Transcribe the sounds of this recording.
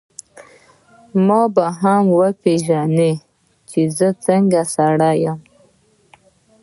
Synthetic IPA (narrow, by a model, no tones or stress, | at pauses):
mɑbaɦamwəpeʒane | t͡ʃezət͡səŋɡasaɽajam